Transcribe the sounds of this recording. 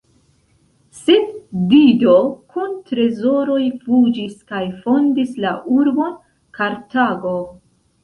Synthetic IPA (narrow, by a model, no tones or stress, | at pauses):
sendidokʰuntɾe̞zo̞ɾo̞jfud͡ʒiskajfo̞ndislaʔuɾbo̞n | kaɾtaɡo̞